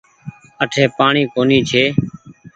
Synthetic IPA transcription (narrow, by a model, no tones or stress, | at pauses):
əʈʰeːpaːɳiːkoːniːt͡ʃʰeː